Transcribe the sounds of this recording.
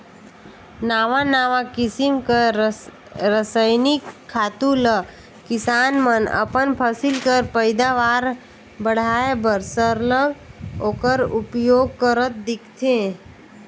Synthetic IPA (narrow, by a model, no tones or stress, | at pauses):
naːʋanaːʋãkɪsimkə | ɾəsəjnikʰːaːt̪ulə | kɪsaːnmənə̰pənpʰəsɪlkəɾpəɪd̪aʋaːɾ | bəɽ̤aːebəɾsəɾləɡoːkəɾupjoːɡ̚kəɾət̪̚d̪ɪkʰt̪ʰẽ